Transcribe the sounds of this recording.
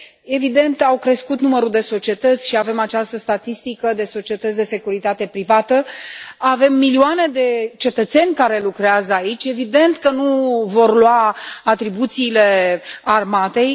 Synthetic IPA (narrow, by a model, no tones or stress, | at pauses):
e̞vid̪e̞nt̪awkɾe̞skut̪numəɾud̪e̞so̞t͡ʃie̞t̪ət̪sʲʃiave̞mat͡ʃast̪əst̪at̪ist̪ikəd̪e̞so̞t͡ʃie̞t̪ət̪sʲd̪e̞se̞kuɾit̪at̪e̞pɾivat̪əave̞mːilioane̞d̪e̞t͡ʃe̞t̪ət̪se̞nʲkaɾe̞lukɾeazəait͡ʃʲe̞vid̪e̞nt̪kənuvo̞rlwaat̪ɾibut̪siːle̞armat̪e̞j